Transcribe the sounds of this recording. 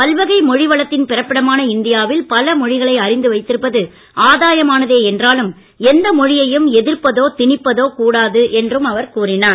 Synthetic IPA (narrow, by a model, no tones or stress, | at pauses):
pɐlʋɐɣɐɪmɔɻɪʋɐɭɐt̪ːɪnpɪrɐpːɪɽɐmaːnɐɪnd̪ɪjaːʋɪlpɐlɐmɔɻɪɣɐɭɐɪɐɾɪnd̪ɯʋɐɪt̪ːɪɾɯpːɐðɯ | ʔaːðaːjɐmaːnɐðeːɛndraːlɯm | ɛnd̪ɐmɔɻɪjɐjɯmɛðɪrpːɐðoːt̪ɪɳɪpːɐðoːkuːɽaːðɯʔɛndrɯmɐʋɐɾkuːrɪnaːɾ